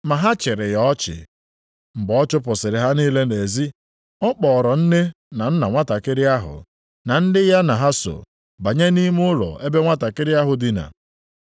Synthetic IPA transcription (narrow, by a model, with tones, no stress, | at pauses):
ma˨ɦa˦t͡ʃɪ˨ɾɪ˨jɔ˦t͡ʃɪ̰˨ | m̩˨ɡ͡bɔɔ˦t͡ʃʊ˦p̬ʊ˨sɪ˨ɾɪ˨ɦa˦niː˦le˦ne˨zi˦ | ɔ˦k͡pɔ˨ɾɔ˨n̩˦ne˦ | na˨n̩˦na˨ŋʷa˦ta˨kɪ˦ɾɪ˦a˦ɦʊ̰˨ | na˨n̩˦dɪ˦ja˦na˨ɦa˦so̰˨ | ba˨ɲe˦ni˦m˦ʊ˦ɾɔ̰˨e˦be˦ŋʷa˦ta˨kɪ˦ɾɪ˦a˦ɦʊ˨dɪ˨na̰˨